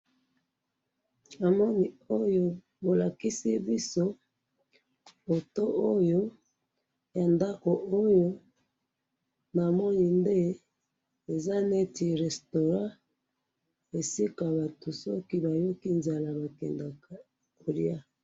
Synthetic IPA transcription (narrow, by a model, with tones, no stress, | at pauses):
a˨mɔ˦ni˨o˦jo˦ | bo˨la˨ki˦si˦bi˦so˦ | bo˨to˦ʔo˦jo˦ | ja˨nda˦ko˨o˦jo˦ | na˨mɔ˦ni˨nde˦ | e˨za˦ne˦ti˨ʁɛ˨sto˨ʁã˦ | e˨si˦ka˨ba˨tu˨sɔ̰˦ki˦ba˨jo˦ki˦nza˨la˨ba˨kɛ˨nda˨ka˨ | o˨li˦a˦